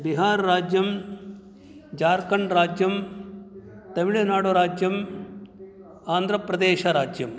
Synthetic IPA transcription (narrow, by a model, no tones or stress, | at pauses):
biɦaːɾɾaːd͡ʒjɐm | d͡ʒaːɾkɐɳɾaːd͡ʒjɐm | t̪ɐmiɭɐnaːɽoɾaːd͡ʒjɐm | aːnd̪ʱɾɐpɾɐd̪eːʃɐɾaːd͡ʒjɐm